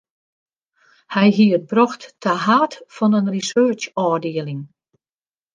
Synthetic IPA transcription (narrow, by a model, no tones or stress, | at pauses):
hɛjɦiət̚brɔxttʰaɦaːtfɔnənrisøːt͡ʃɔːrdɪəlˠɪŋ